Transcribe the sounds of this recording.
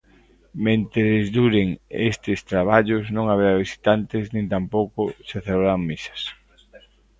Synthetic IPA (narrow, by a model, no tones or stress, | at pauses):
mẽnt̪eezd̪uɾeŋḛst̪ɪst̪ɾaβ̞aʎʊznõŋaβeɾaβisi̥t̪ant̪ɪznĩnt̪ampowkʊseθelβɾaŋmisɐ̥s